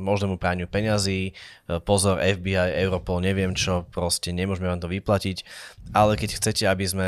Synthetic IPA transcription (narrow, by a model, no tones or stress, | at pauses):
mɔʒnɛːmupɾaːɲɪupɛɲaziːpɔzɔɾɛvbiajɛʊɾɔpɔlɲɛʋɪɛmt͡ʃɔpɾɔscɛɲɛmʊɔʒmɛʋaːmt̪ɔʋiplacicalɛkɛcxt͡sɛcɛabizmɛ